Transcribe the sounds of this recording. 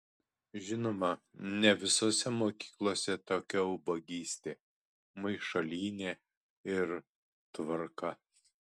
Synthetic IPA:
ʒʲɪnoːmɐnʲɛʋʲɪsoːsʲɛmoːkʲi̥ːklˠoːsʲɛt̪oːkʲɛʊbɐɡʲiːsʲt̪ʲeː | mɐɪʃɐlʲiːnʲeː | ɪɾ | t̪ʋɐɾkɐ

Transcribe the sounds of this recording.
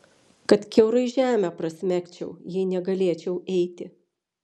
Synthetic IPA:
kɐt̪kʲɛʊɾɐɪʒʲæːmʲæpɾɐsʲmʲækʲt͡ʃʲɛʊjɛɪnʲɛɡɐlʲeɛt͡ʃʲɛʊɛɪt̪ʲɪ

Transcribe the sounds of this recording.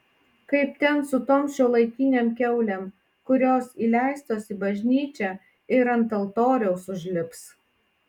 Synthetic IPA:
kɐɪp̚t̪ʲɛnsʊt̪oːmʃʲoːlˠɐɪk̪ʲiːnʲeːmkʲɛʊlʲɛm | kʊɾʲoːsiːlʲæˑɪst̪oːsʲɪbɐʒʲnʲiːt͡ʃʲɛ | ɪɾɐnt̪ɐlˠt̪oːɾʲɛʊsʊʒʲlʲɪps

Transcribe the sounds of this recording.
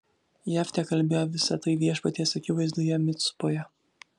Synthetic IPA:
jæfʲt̪ʲɛkɐlʲbʲeːjoʋʲɪsɐt̪ɐɪʋʲiɛʃpɐt̪ʲeːsɐkʲɪʋɐɪzd̪uːjɛmʲɪt̪sʊ̥pojɛ

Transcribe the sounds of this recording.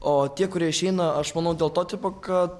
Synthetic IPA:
oːt̪ʲiɛkʊɾʲiɛɪʃʲɛɪnɐɐʃmɐnɐʊd̪ʲeːlˠt̪oːt̪ʲiːpokɐt̪

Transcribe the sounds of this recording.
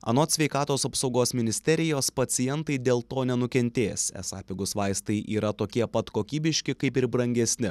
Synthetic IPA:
ɐ̰noːt̪sʲʋʲɛɪkɑːt̪oːsɐpsɒʊɡoːsmʲɪnʲɪsʲt̪ʲɛɾʲɪjoːspɐt̪sʲɪjɛnt̪ɐɪd̪ʲeːlˠt̪oːnʲɛnʊkʲɛnʲt̪ʲeːsɛ̰sɑ̰ːpʲɪɡʊsʋɑɪst̪ɐɪʔiːɾɐt̪oːkʲiɛpɐt̪koːkʲiːbʲɪʃʲkʲɪkɐɪpɪɾbɾɐŋʲɡʲɛsʲnʲɪ

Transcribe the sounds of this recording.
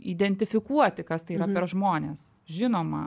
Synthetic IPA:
iːd̪ʲɛnʲt̪ʲɪfʲɪkuɔt̪ʲɪkɐst̪ɐɪiːɾɐpʲɛɾʒmoːnʲeːs | ʒʲɪnoːmɐ̰

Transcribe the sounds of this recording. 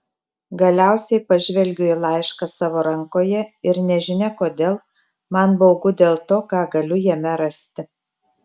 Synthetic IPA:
ɡɐlʲæˑʊsʲɛɪpɐʒʲʋʲɛlʲɡʲʊilˠɑˑɪʃkɑsɑːʋoːɾɐŋkoːjɛɪɾnʲɛʒʲɪnʲɛkoːd̪ʲeːlˠ | mɐnbɐʊɡʊd̪ʲeːlˠt̪oːkɑːɡɐlʲʊjɛmʲɛɾɐsʲt̪ʲɪ

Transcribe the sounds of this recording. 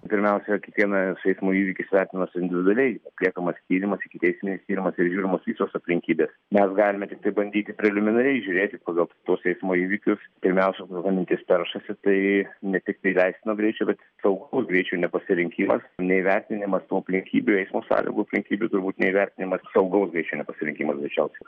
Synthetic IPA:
pʲɪɾʲmʲɛʊsʲɛkʲiɛkʋʲiɛnɐsɛɪsmoːiːʋʲɪkʲɪsʋʲɛɾʲt̪ʲɪnʲɪnɐsɪnd̪ʲɪʋʲɪd̪ʊɐlʲɛɪɐt̪ʲlʲiɛkɐmɐst̪ʲiːɾʲɪmɐsɪkʲɪt̪ʲɛɪsʲmʲɪnʲɪst̪ʲiːɾʲɪmɐsɪɾʒʲuːɾʲɪmoːsʋʲiːsoːsɐpʲlʲɪŋʲkʲiːbʲeːsmʲɛsɡɑːlʲɪmʲɛt̪ʲɪk̚t̪ɐɪbɐnʲd̪ʲiːt̪ʲɪpʲɾʲɛlʲɪmʲɪnɐɾʲɛɪʒʲʊɾʲeːt̪ʲɪpɑːɡɐlˠt̪oːsɛɪsmoːiːʋʲɪkʲʊspʲɪɾʲmʲɛʊsʲɛʋɐmʲɪnʲt̪ʲɪspʲɛɾʃɐsʲɪt̪ɐɪnʲɛt̪ʲɪk̚t̪ɐɪlʲɛɪsʲt̪ʲɪnoɡɾʲɛɪt͡ʃʲɛːbʲɛt̪ | sɐʊɡɐʊsɡɾʲɛɪt͡ʃʲuːnʲɛpɐsʲɪɾʲɪŋʲkʲiːmɐ̰snʲɛiʋʲɛɾʲt̪ʲɪnʲɪmɐst̪uːɐpʲlʲɪŋʲkʲiːbʲuɛɪsmoːsɑ̰ːlʲɪ̰ŋɡuːɐpʲlʲɪŋʲkʲiːbʲut̪ʊɾbuːt̪nʲɛiʋʲɛɾʲt̪ʲɪnʲɪmɐssɐʊɡɐʊsɡɾɛɪt͡ʃʲɛʊnʲɛpɐsʲɪɾʲɪŋkʲiːmɐsɡʲɐɪt͡ʃʲɛʊsʲɛ

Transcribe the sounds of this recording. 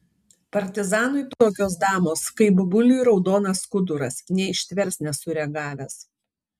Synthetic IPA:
pɐɾʲt̪ʲɪzɑːnʊɪpt̪oːkʲoːs̬d̪ɑːmoːskɐɪbʊbʊlʲuɾɒʊd̪oːnɐskʊd̪ʊɾɐsnʲɛɪʃʲt̪ʲʋʲɛɾsnʲɛsʊɾʲɛɡɑːʋʲɛs

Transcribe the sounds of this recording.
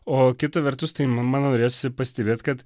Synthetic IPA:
oːkʲɪt̪ɐʋʲɛɾt̪ʊst̪ɐɪmɑnoːɾʲeːjoːsʲɪpɐsʲt̪ʲɛbʲeːt̪ʲkɐt̪

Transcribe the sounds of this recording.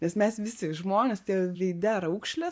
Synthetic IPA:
nʲɛsmʲɛsʋʲɪsʲɪʒmoːnʲeːst̪ʲiɛʋʲɛɪd̪ʲɛɾɐʊkʃʲlʲɛ

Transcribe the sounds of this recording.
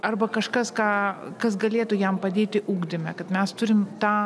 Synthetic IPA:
ɐrbɐkɐʃkɐskɑːkɐsɡɐlʲeːt̪ʊjɛmpɐd̪ʲeːt̪ʲɪʔuːɡd̪ʲɪmʲɛkɐt̪mʲɛst̪ʊɾʲɪmt̪ɑː

